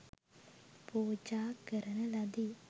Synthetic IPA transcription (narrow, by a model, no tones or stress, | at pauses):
poːd͡ʒaːkəɾɐnɐlɐd̪i